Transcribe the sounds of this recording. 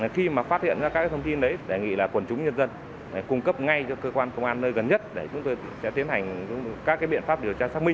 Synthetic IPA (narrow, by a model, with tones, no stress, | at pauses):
xi˧maː˨˩faː˦˥t̚hḭ˧˨ənza˧kaː˦˥kːaː˨˦t̪ʰə˧ŋ͡mt̪i˧nɗə˨˦jɗe˧˩ŋḭ˧˨laː˨˩kwə˨˩nt͡ɕʊ˨˦ŋ͡mɲə˧nzə˧n | ɗe˧˩kʊ˧ŋ͡mkə˦˥p̚ŋa˧jt͡ɕɔ˧kəː˧kwaː˧nkə˧wʔaː˧nːəː˧jɣə˨˩nɲə˦˥t̚ɗe˧˩t͡ɕʊ˨˦ŋ͡mt̪o˧jsɛ̰˧˥t̪i˨˦ənɦa˨˩jŋ̟˧kaː˦˥kːaː˨˦jɓḭ˧˨ənfaː˦˥p̚ɗi˨˩əwt͡ɕaː˧saː˦˥k̚mï˧ŋ